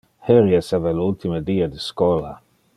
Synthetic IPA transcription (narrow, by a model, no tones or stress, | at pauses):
heɾjɛsavalult̪iməd̪iːad̪əskɔla̰